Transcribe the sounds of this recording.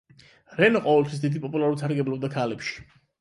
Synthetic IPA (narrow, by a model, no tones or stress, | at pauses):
ɾɛnɔqʼɔvɛlt̪ʰwisd̪id̪ipʼɔpʼulaɾuɾt̪saɾɡɛblɔb̚d̪akʰalɛpʃi̥